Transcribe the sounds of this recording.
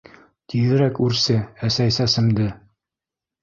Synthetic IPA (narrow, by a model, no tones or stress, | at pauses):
t̪iðɘ̆ɾækʉɾsɘæsæjsæsɘ̆md̪ɘ